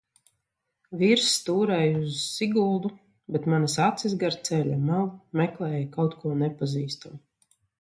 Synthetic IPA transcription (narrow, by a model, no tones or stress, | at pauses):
viɾst̪uːɾɛjuzːiɡulˠd̪u | bɛt̪manasat̪sizɡaɾt̪sɛlʲamalˠmɛklˠɛːjakawt̪kuɔnɛpaziːst̪amu